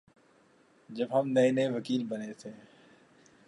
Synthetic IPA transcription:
d͡ʒɐbɦɐmnɐeneʋɐkiːlbɐnet̪ʰeː

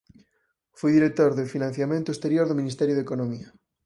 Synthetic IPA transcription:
fujðiɾek̚t̪oɾðefinãn̟θjamẽnt̪oest̪eɾjoɾðomĩnist̪ɛɾjoðekonomiɐ

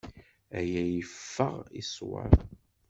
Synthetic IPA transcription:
æjæjəfːəʁḭswə̰ɾ

